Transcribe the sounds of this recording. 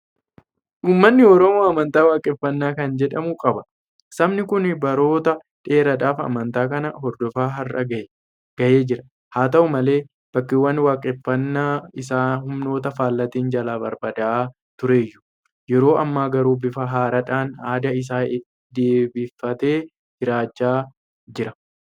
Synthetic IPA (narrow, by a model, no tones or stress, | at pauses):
ʔuːmːɐnːɪɔɾɔmoːɐmɐnt̪aːwaːkʼɛfːɐnːaːkɐnd͡ʒɛᶑɐmʊkʼɐbɐ | sɐmnɪkʊnbɐɾo̞ːt̪ɐ | ᶑe̞ːɾɐᶑaːfɐ̰mɐnt̪aːkɐnɐhɔɾd̪ɔfaːɦɐrːɐ̰ɡɐʔɛ | ɡ̥ɐʔe̞ːd͡ʒɪɾɐ | haːt̪ɐʔʊmɐle̞ː | b̥ɐkːɪwːɐnwaːkʼːɪfːɐnːaːɪsaːhʊmno̞ːt̪ɐfaːlːɐt̪iːnd͡ʒɐlaːbɐɾbɐd̪ɐaː | t̪ʊɾeːjːʊ̥ | jɛɾo̞ːʔɐmːaːɡɐɾuːbɪfɐɦaːɾɐᶑaːnaːd̪ɐɪs̬aːɪt̪ | d̪eːbifːɐt̪e̞ː | d͡ʒɪɾaːd͡ʒːaː | d͡ʒɪɾɐ